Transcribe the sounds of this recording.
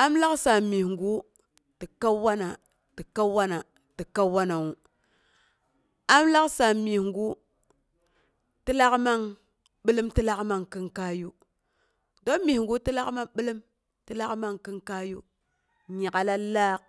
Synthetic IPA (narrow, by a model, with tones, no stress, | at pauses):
a˦mla˦ksa˨mi˨ŋɡu˦ | ti˨ka˦wa˦na˨ | ti˨ka˦wa˦na˨ | ti˨ka˦wa˦na˨wu˨ | a˦mla˦ksa˨mi˨hŋɡu˦ | ti˦la˦kma˦ŋ | ɓi˦lə˦mti˦la˦kma˦ŋki˦ŋka˦ju˦ | do˦mi˨hŋɡu˦ti˦la˦kma˦ɓi˦li˦m | ti˦la˦kma˦ŋki˦ŋka˦ju˦ | ɲa˨ka˨la˦la˦˨k̚